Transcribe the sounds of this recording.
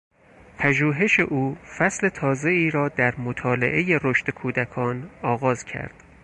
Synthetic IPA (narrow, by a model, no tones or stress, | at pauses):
pʰæʒuːɦe̞ʃe̞ʔuːfæsle̞t̪ʰɒːze̞iːɾɒːd̪æɾmot̪ʰɒːle̞̰ʔe̞je̞ɾoʃt̪ekʰuːd̪ækʰɒːnɒːɣɒːzcʰæ̰ɾd̪̥